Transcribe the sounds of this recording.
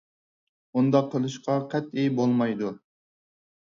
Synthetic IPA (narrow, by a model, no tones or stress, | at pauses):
und̪ɑqʰːəlˠɨʃqʰɑqʰɛt̪ibolˠmɑjd̪u